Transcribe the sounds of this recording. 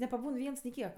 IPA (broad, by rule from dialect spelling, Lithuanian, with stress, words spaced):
nʲɛpɐˈbuːn ˈʋʲiɛns nʲɪ ˈkʲiɛk